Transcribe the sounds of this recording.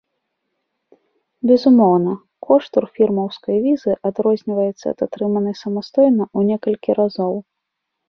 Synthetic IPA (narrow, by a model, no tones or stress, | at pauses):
bʲɛzumɔwnɐ | kʰɔʂt̪urfʲirmɐwskɐjvʲizɨʔad̪ɾɔzʲnʲivɐjɛt̪sːɐ̰ːt̪at̪ɾɨmɐnɨsɐmast̪ɔjnɐʔunʲɛkɐlʲkʲiɾazɔw